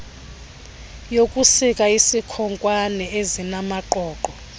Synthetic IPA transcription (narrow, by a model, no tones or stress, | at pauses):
jokʼusikʼaisikʰɔŋkʼwanɛezinamaǃɔːǃɔ